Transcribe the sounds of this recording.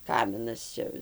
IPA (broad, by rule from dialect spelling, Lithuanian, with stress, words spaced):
ˈkɑːmʲɪnɐs ˈt͡ʃʲɛ